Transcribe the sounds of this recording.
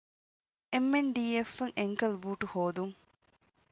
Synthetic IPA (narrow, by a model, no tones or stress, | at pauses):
emːenɖiːefːɐŋʔeŋkɐlbuːʈuhoːd̪uŋ